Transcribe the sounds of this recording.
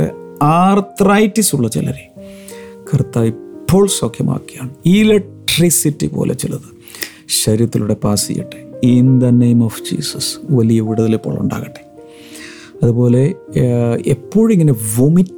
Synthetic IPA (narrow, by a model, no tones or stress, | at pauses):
aːrt̪rɐjtːisuɭːɐt͡ɕḭlɐ̰ɾi | kʰɐrt̪ːaːʋipːo̞ːɭsokʰjɐmʔa̰ːkːijaːɳɨilek̚ʈrisitːipo̰ːlʔet͡ɕilɐðɨ | ɕɐɾjɐt̪ːiluɽe̞paːsḭjḭʈːɨ̥ind̪ɐnejmofd͡ʑḭːsɐsʋɐlijɐʋiɽɐðilepːoːɭṵɳɖa̰ːɣɐʈːe̥ | ɐðubo̞ːle̞ | epːo̞ːɻiŋːɐneʋomi